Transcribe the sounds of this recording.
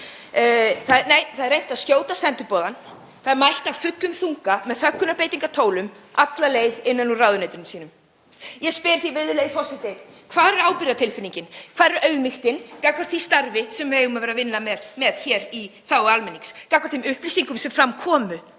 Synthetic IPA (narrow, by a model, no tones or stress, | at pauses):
θaðneːjθaðɾrejn̥t̪aðscjoːwt̪asɛnt̪ʏpɔːðan | θaðɛɾmajht̪awfʏt̪lʏmθuŋkamɛðθœkːʏnapejt̪iŋkat̪ʰoːwlʏm | ʔat̪laleːjðɪnːanuraːwðʏnejt̪ɪnʏmsiːnʏm | jɛspɪɾ̥θivɪɾðɪleːjfɔsɪt̪ɪ | kʰvaːðɛɾaːwpɪɾjat̪ʰɪlfɪniɲcɪnkʰvaːðɾʔœɥɣmixt̪ɪnkakvaɾ̥t̪θfist̪aɾvɪsɛmvejʏmaveːɾavɪnːamɛɾmɛð̥çɛːɾiθawalmɪnːiŋkskakvaɾt̪ʰɪmʏhplisiŋkʏmsɛmfɾamkʰɔːmʏ